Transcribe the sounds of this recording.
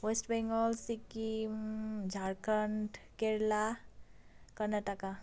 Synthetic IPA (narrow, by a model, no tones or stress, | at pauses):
wesʈbeŋɡɔlsiki | d͡ʒʱaɾkəɳʈkeɾla | kəɾnat̪aka